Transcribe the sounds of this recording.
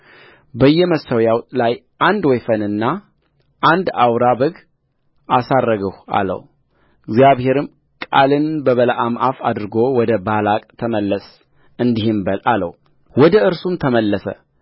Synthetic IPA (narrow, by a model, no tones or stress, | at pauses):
bəjːɛməsəwjawt̪ʼlaj | ʔand̪wɔjfənɨnːa | ʔand̪awɾabəɡ | ʔasarːəɡəha̰lə̰w | ɪɡzjaβhe̞ɾɨm | kʼa̰lɨnbəβəlaʔamʔafad̪ɾɨɡo̞wɔd̪əbalakʼt̪ʰəməlːəs | ɨnd̪ihɨmbəlʔalə̰w | wɔd̪əɨɾsumt̪ʰəməlːəsə̰